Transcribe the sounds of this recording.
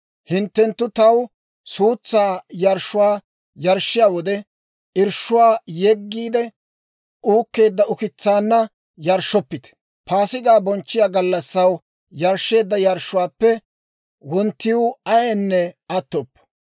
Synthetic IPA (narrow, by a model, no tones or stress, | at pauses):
hɪnt̪ːɛnt̪ːʊt̪ɐw | suːt͡sːaːjɐɾʃːʊwaː | jɐɾʃːɪjaːwɔd̪ɛ | ʔɪɾʃʊwaːjɛɡːiːd̪ɛ | uːkːe̞ːd̪ːɐʊkɪt͡sːaːnːɐ | jɐɾʃɔpːɪt̪ɛ̥ | paːsɪɡaːbɔnt͡ʃːɪjaːɡɐlːɐsːɐw | jɐɾʃːe̞ːd̪ːɐjɐɾʃːʊwaːpːɛ | wɔnt̪ːɪjʊɐjenːɛɐt̪ːɔpː